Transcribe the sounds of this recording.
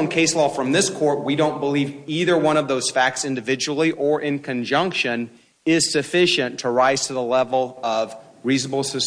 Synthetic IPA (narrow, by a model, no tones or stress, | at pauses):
nkʰeɪslɔfɹʌ̃mðɪskʰɔɹt̚wiɾõʊ̃nb̥əliviðə˞wʌ̃ɾ̃ʌvðoʊz̥fæk̚tsɪ̃ndɨvɪd͡ʒəl̩ˠiʔə˞ʔɪ̃nkʰɨ̃nd͡ʒʌ̃ŋkʃɨ̃n | ɪz̥sɨfɪʃɨ̃ntʰəɹaɪz̥tʰɨðəlɛvl̩ˠʌv | ɹiznəbl̩ˠsɨs